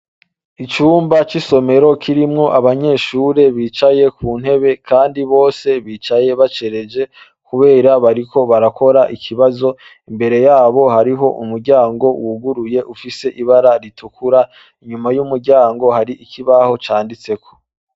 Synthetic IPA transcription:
it͡ʃuːmbat͡ʃiso̞me̞ɾo̞kʰiɾimŋo̞ʔaβaɲe̞ːʃuːɾe̞βiːt͡ʃaje̞kʰuːn̥he̞βe̞kʰaːndiβo̞ːse̞βiːt͡ʃaje̞βat͡ʃe̞ɾe̞d͡ʒe̞ | kuβe̞ːɾaβaɾikʰo̞βaɾako̞ɾaʔikʰiβazo̞ | imbe̞ɾe̞jaːβo̞ɦaɾiɦo̞ʔṵmuɾɟaːŋɡo̞wuɡuɾuje̞ʔufise̞ʔiβaɾaɾitʰukʰuɾa | iɲumajumuɾɟaːŋɡo̞haɾiikʰiβaho̞t͡ʃaːndit͡se̞kʰo̞̥

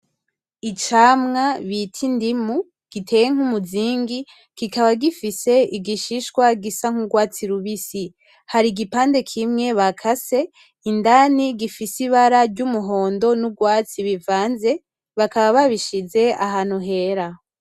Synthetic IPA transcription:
it͡ʃaːmŋaβitʰindimu | ɡ̥itʰe̞ːje̞ŋ̥umuziːŋɡi | kikaβaɡifise̞iɡiʃiʃkwaɡisaŋ̥huɡwaːt͡siɾuβisi | haɾiɡipaːnde̞kʰimŋe̞βakʰase̞ | indaniɡifisiβaɾaɾɟumuɦo̞ːndo̞nuɡwaːt͡siβivaːnze̞ | βakaβaβaβiʃize̞a̰ɦaːn̥huɦe̞ɾa

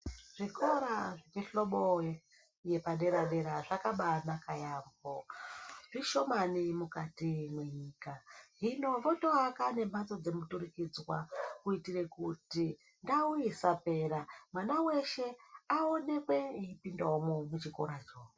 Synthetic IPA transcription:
ʐ̥iko̞ɾaʐekeɬo̞ɓo | je̞paɗe̞ɾaɗe̞ɾaʐakaɓanakajambo | ʐiʃo̞manimukatimwe̞ɲiːkaɦino̞ʋo̞to̞akane̞mbat͡so̞d͡ze̞muturikid͡zwakuitiɾe̞kuti | ndauisape̞ɾamwanawe̞ʃe̞aone̞kwe̞iipindaomomut͡ʃiko̞̰ɾat͡ʃoːo

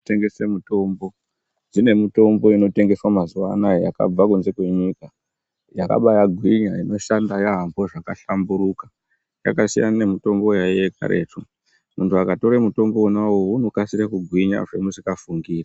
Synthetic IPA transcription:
te̞ŋɡesemuto̞mbo̞ | d͡zine̞mito̞mbo̞ino̞te̞ŋɡe̞swamazuwanaja̰ka̰b͡vakunze̞kwe̞ɲika | jaka̰ɓajaɡʱwiɲaino̞ʃandajaɦambo̞ʐakaɬambuɾukḁ | ja̰kasijanne̞mito̞mbo̞jajeka̰ɾe̞̰ːtu | muntuakato̞ɾemuto̞mbo̞unawouno̞kasiɾekuɡʱwiɲa̰ʐe̞musikafuŋɡiːra

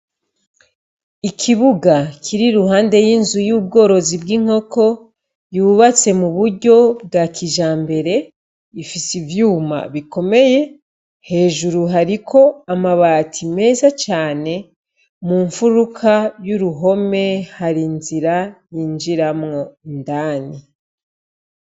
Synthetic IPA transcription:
ikʰiβuɡakʰiɾiɾuɦaːnde̞jinzujub̚ɡo̞ːɾo̞zibɡiŋ̥o̞ko̞ | juːβat͡se̞muβuɾɟo̞b̚ɡakiʒaːmbe̞ɾe̞ | ifisivjuːma̰βiko̞me̞je̞ | he̞ːʒuɾuɦaɾikʰo̞amaβaːtʰime̞ːzat͡ʃaːne̞ | muːɱfuɾukʰajuɾuɦo̞me̞haɾinziɾajind͡ʒiɾamŋo̞ndaːni

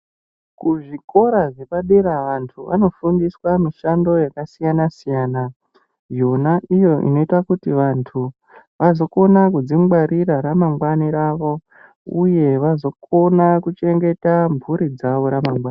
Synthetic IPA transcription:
kuʐiko̞ɾaʐe̞paɗeɾaʋantʰuʋʔa̰no̞fundiswamiʃando̞jakasijanasijaːna | jo̞naʔijo̞ʔḭno̞itwakutiʋantʰu | ʋazo̞ko̞nakud͡ziŋɡ͡baɾʔiɾaɾamaŋɡwaniɾaʋo̞ | uje̞ʋazo̞ko̞nakut͡ʃe̞ŋɡe̞taɱvʱuɾid͡zaʋo̞ɾamaŋɡwaːni

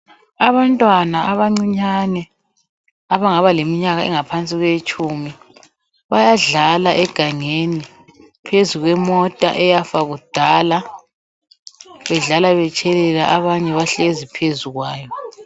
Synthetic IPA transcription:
aβantʼwanaʔaβaŋ͡ǀiɲanɛ | aβaŋaβalemiɲaɣaɛŋapʰant͡sʼiɣwet͡ʃʼumi | βajaɮalaʔɛɡ̥ʱaŋeni | pʰezuɣwɛmɔtʼa̰ʔɛjafaɣud̥ʱala | βɛɮalaβɛt͡ʃʼɛlɛlaʔaβaɲɛβaɬezipʰezuɣwaːjɔ

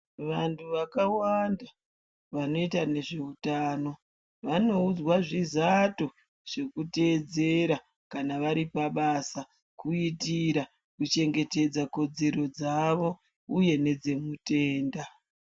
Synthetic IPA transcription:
ʋantʰuʋakawanda | ʋano̞itane̞ʐe̞utaːno̞ | ʋano̞ud͡zwaʐizato | ʐ̥e̞kute̞ːd͡ze̞ɾa | kanaʋaɾipaɓasa | kuitiɾa | kut͡ʃe̞ŋɡe̞te̞d͡zako̞d͡ze̞ɾo̞d͡zaʋo̞ | uje̞ne̞d͡ze̞mute̞ːnda

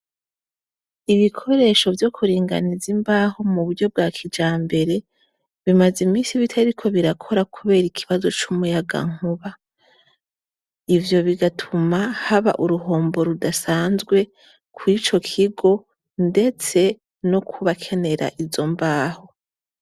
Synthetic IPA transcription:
iβikʰo̞ɾe̞ʃo̞vjo̞kʰuɾiːŋɡa̰nizimbaːho̞muβuɾɟo̞b̚ɡakʰid͡ʒaːmbe̞ɾe̞ | βimazimiːsiβitʰaɾikʰo̞βiɾakʰo̞ɾakʰuβe̞ːɾikʰiβazo̞t͡ʃumujaɡa̰ŋ̥huβa | ivjo̞βiɡatʰumahaβa̰ʔuɾuɦo̞ːmbo̞ɾudasaːnzɡwe̞ | kʰwit͡ʃo̞kʰiɡo̞ | nde̞t͡se̞ | no̞kʰuβakʰe̞ne̞ɾa̰ʔizo̞mbaːho̞

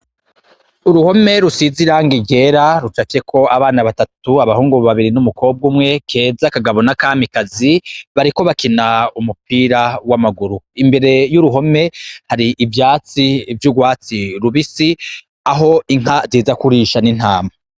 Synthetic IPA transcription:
uɾuho̞me̞ɾusiziɾaːŋɡiɟe̞ɾaɾut͡ʃake̞kʰo̞aβaːnaβatatuaβahuːŋɡuβaβiɾinumuko̞ːb̚ɡumŋe̞kʰe̞ːzakaɡaβo̞nakaːmikaziβaɾiko̞βakinaumupiːɾawamaɡuɾuimbe̞ɾe̞juɾuɦo̞me̞haɾiʔːvjaːt͡sivjuɡwaːt͡siɾuβisi | aɦo̞iŋ̥aɾjiːzakuɾiʃanin̥haːma

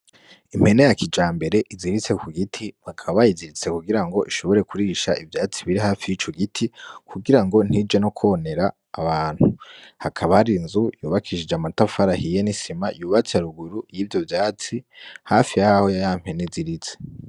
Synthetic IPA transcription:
im̥he̞ne̞jakʰid͡ʒaːmbe̞ɾe̞ʔiziɾit͡se̞kuɡitʰihakʰaβajiziɾit͡se̞kuɡiɾaŋɡo̞ʔiʃo̞βo̞ɾe̞kuɾiːʃaʔivjaːt͡siβiɾiɦaːfijit͡ʃoɡitʰikʰuɡiɾaŋɡo̞n̥hid͡ʒeno̞kʰone̞ɾaː | βaːn̥huhakʰaβahaɾinzujuːβakʰiʃid͡ʒamatafaɾahijenisimajuːβat͡saɾuɡuɾujiːvjo̞vjaːt͡sihafijaho̞jajam̥he̞neziɾit͡se̥

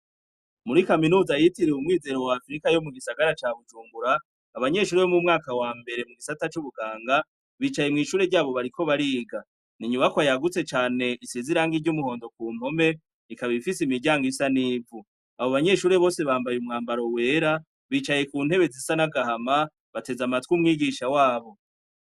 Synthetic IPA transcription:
muɾikaminuːzajitiɾeumŋiːze̞ɾowaːfɾikajo̞muɡisaɡaɾat͡ʃaːβud͡ʒuːŋɡuɾaː | βaɲe̞ʃuːɾeβo̞mumŋaːkawaːmbe̞ɾe̞muɡisatat͡ʃuβuɡaːŋɡa | βit͡ʃaje̞mŋiːʃuːɾe̞ɾɟaːβo̞βaɾiko̞βaɾiːɡa | niɲumakwajaɡut͡se̞t͡ʃaːne̞ʔiseziɾaːŋɡiɟumuho̞ːndo̞kuːm̥ho̞me̞ | nikaβifisimiɾɟaːŋɡisaniːvu | aβoβaɲe̞ʃuːɾe̞βo̞ːse̞βaːmbajumŋaːmbaɾo̞we̞ːɾa | βiːt͡ʃaje̞kuːn̥he̞βe̞zisanaɡahama | βate̞zamatkwumŋiːɡiʃawaːβo̞

